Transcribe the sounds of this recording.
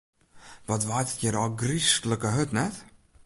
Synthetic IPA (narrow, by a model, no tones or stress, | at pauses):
ʋɔtʋajtə̥tjəɾɔlˠɡristləkəɦɵtnɛt